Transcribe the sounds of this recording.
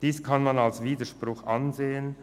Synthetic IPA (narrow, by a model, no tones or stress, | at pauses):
d̥iːskʰanmanalsviːdəʃprʊxʔanzeːən